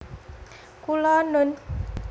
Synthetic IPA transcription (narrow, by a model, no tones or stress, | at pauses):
kulɔnʊn